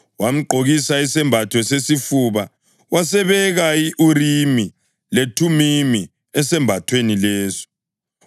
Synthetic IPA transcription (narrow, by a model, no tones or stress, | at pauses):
wam̩ǃʱoɣisaisɛmbʱatʰwɛsesifuβa | wasɛβɛɣaiʔuɾimi | letʰumimi | ɛsɛmbʱatʰwenileːzɔ̥